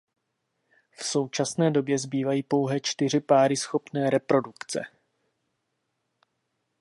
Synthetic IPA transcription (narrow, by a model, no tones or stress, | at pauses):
fso̞wt͡ʃasnɛːdo̞bjɛzbiːvajiːpo̞wɦɛt͡ʃt̪ɪr̝ɪpaːɾɪsxo̞pnɛːɾɛpɾo̞dukt͡sɛ̰